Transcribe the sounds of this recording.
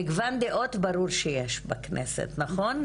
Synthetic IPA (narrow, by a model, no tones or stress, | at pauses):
iɡvand̪eʔo̞t̪baɾuɾʃejeʃbaknʔḛsḛt̪naχo̞n